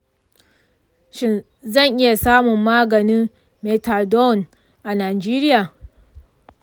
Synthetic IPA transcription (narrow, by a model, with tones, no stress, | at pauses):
ʃɪ˦n | zɐ˦˨ŋʔɪ˦ja˨saː˦mʊ˨mːaː˦ɡɐ˨ni˦ | me˨ta˨rdɔ˦˨n | ʔa˨naː˨d͡ʒeː˦ɾɪ˦jaː˨